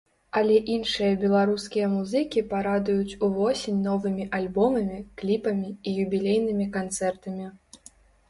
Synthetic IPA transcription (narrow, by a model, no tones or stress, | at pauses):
ɐlʲɛʔinʂɨjɐbʲɛlˠaɾuskʲijɐmuzɨkʲipaɾad̪ujut͡sʲuvɔsʲenʲnɔvɨmʲiʔalʲbɔmɐmʲiklʲipɐmʲiijubʲilʲejn̪ɨmʲikant̪sɛrt̪ɐmʲi